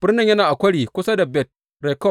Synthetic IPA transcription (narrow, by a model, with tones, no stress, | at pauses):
b̥ɪ˦rnɪ˨ɲjɐ˦naː˨ʔa˨kʷɐ˦ɽiː˨kʷʊ˦sa˦da˨bɛ˦˨t̚ | ɾɛ˨kɔ˦˨